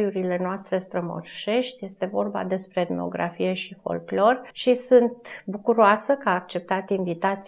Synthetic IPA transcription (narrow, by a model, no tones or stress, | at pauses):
juɾile̞noast̪ɾe̞st̪ɾəmo̰rʃe̞ʃt̪ʲje̞st̪e̞vo̞rba̰d̪e̞spɾed̪meo̰ɡɾa̰fije̞ʃifo̞̰lklo̞rʃisunt̪bukuɾoasəkaːk̚t͡ʃe̞p̚t̪at̪iɱvit̪at̪s